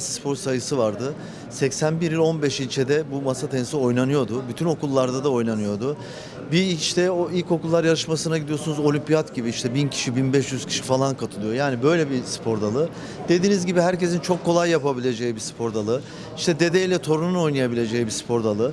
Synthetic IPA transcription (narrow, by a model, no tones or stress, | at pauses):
sspʰo̞ɾsajɯsɯvaɾd̪ɯ | sɛcsænbiɾilʲo̞nbɛʃilʲt͡ʃʰed̪ɛbumasat̪ʰɛnsio̞jnanɯjo̞d̪ʊbyt̪ʰyno̞kulˠːaɾd̪ad̪ao̞jnanɯjo̞d̪ʊ | biʃt̪ʰɛoilʲco̞kulˠːaɾjaɾɯʃmasɯnaɟid̪ijo̞sunuzo̞lʲympijat̪ɟibiiʃt̪ʰɛbincʰi̥ʃibinbɛʃjyz̥cʰi̥ʃifalˠankʰat̪ʰɯlˠɯjojaːnibø̞jlʲɛbispʰo̞ɾd̪alˠɯ | d̪̥e̞d̪iːnizʲɟibiɦæɾce̞sint͡ʃʰo̞kʰːo̞lˠajːapabilʲe̞d͡ʒejibispʰo̞ɾd̪alˠɯ | iʃt̪ʰɛd̪e̞d̪eilʲɛt̪ʰo̞ɾununo̞jnajabilʲe̞d͡ʒejibispʰo̞ɾd̪alˠɯ